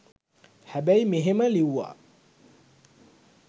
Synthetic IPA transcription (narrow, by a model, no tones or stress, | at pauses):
hæbæjimeɦeməliwa̰